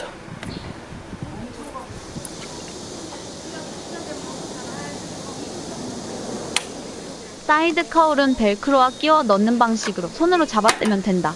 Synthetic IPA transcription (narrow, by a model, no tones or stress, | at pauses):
s͈ʰaidɯkʰauɾɯnpe̞ɭkʰɯɾowak͈iwʌnʌnːɯnbaŋɕʰiɡɯɾosʰonɯɾot͡ɕabat͈emjʌndwe̞nda